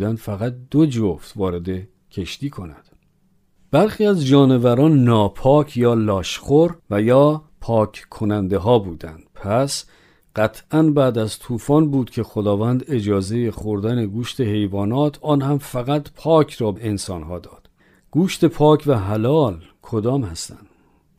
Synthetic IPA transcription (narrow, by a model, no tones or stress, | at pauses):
d̪ænd̪̥fæɣæt̪̚d̪̥od͡ʒoft̪vɒːɾe̞d̪e̞ | cʰe̞ʃt̪iːkʰo̞næ̰d̪̥ | b̥æɾχiːæzd͡ʒɒːne̞væɾɒːnːɒːpʰɒːcʰjɒːlɒːʃχoɾvæjɒː | pʰɒːkʰkʰːo̞nænd̪e̞ɦɒːbuːd̪ænd̪̥pʰæs | ɢ̥æt̪ʰʔænbæːd̪æzt̪ʰuːfɒːnbuːd̪̥cʲʰe̞xod̪ɒːvænd̪e̞d͡ʒɒːze̞jeχoɾd̪æne̞ɡuːʃt̪ʰe̞he̞jvɒːnɒːt̪ʰɒːnhæmfæɣæt̪pʰɒːkʰrɒːbeensɒːnɦɒːd̪ɒːd̪̥ | ɡ̥uːʃt̪e̞pʰɒːcʰvæɦælɒːlkʰod̪ɒːmhæst̪æ̰nd̪̥